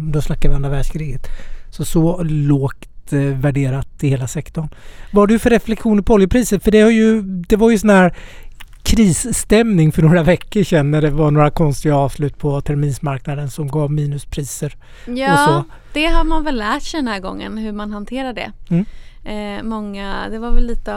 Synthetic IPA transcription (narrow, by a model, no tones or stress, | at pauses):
d̪ɔslakːaɾvand̪ɾavæːɖʂkʰɾiːɡət̪sɔsɔloːkt̪væɖeːɾat̪ɪheːlasɛkt̪ɔɳvaɖɵfœɾːɛflɛkɧuːnəɾpʰɔɔljəpʰɾiːsət̪fœɖɛhaɾjɵd̪ɛvaɾjɵsɔnhæːɾ | kʰɾiːsːt̪ɛmnɪŋfœɳoːɾavɛkːəɾʂɛnːæɖɛvaɳoːɾakʰɔnst̪ɪɡaɑːvslʉ̟ːt̪ːpʰɔt̪ʰæɾmiːnsmaɾknad̪ənsɔmɡɑːvmiːnɵspʰɾiːsəɾ | jɔsɔ | d̪̥ɛɦadmanvɛllːæːʈsɛd̪ɛnæːɾɡɔ̰ŋːə̰nhɵɾmanhant̪ʰeːɾaɖ̪ɛ̰m̩ː | mɔŋːad̪ɛvaɾvɛlːiːt̪ə